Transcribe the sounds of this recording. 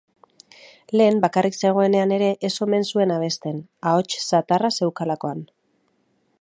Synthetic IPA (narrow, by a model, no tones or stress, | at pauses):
le̞ːmbakarʔikse̞ɣ̞o̞e̞ne̞ane̞ɾe̞ʔeso̞me̞nsue̞naβ̞e̞st̪e̞nao̞t͡ʃsat̪arase̞wkalako̞an